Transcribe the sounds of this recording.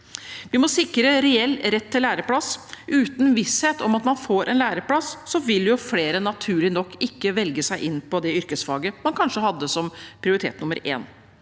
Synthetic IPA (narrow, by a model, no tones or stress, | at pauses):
ʋɪmɔsɪkːɾəɾɛɛlːɾɛt̪ʰːɪlːæːɾəpʰlɑsʔʉːt̪n̩ʋɪsheːt̪ɔmɑt̪mɑnfoːɾʔɛnlæːɾəpʰlɑsːɔʋɪljʊfleːɾənɑt̪ʰʉːɭɪnɔkːɪkːəʋɛlɡəsæɪʔɪnːpʰɔd̪ɛʏɾkəsfɑːɡəmɑnkʰɑnʂəhɑd̪ːəsɔmpʰɾɪʊɾɪt̪ʰḛːt̪nʊmːəɾḛːn